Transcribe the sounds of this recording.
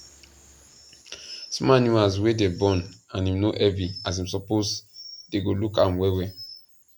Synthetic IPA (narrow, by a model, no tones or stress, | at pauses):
smanũazwedebɔ̃nãnĩmnoʔɛvĩas̬ĩmsɔposdeɡolukãmwɛwɛ